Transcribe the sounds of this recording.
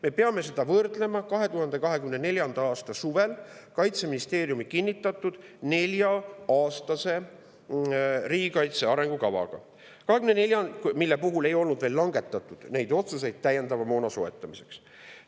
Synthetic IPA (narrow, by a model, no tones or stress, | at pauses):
me̞pe̞ɑme̞s̬e̞d̪̥ɑvɤrd̪le̞mɑkɑɦe̞t̪uɦɑnd̪̥e̞kɑɦe̞kymne̞ne̞lʲjɑnd̪̥ɑɑːst̪ɑsuve̞lkɑjt̪se̞minist̪e̞ːɾijumikinʲːit̪ːˑɑt̪ːˑud̪̥ne̞lʲjɑɑːst̪ɑse̞ | riːɡikɑjt̪se̞ɑɾe̞ŋɡ̥ukɑvɑ̰ɡ̥ɑ̰ | kɑɦe̞kymnnelʲjɑnmilːepuɦule̞jo̞lnud̪ve̞ːlːɑŋɡe̞t̪ːˑɑt̪ːˑud̪̥ne̞jd̪o̞t̪suse̞jd̪̥̚t̪æje̞nd̪ɑvɑmo̞ːnɑso̞e̞t̪ːˑɑmise̞ks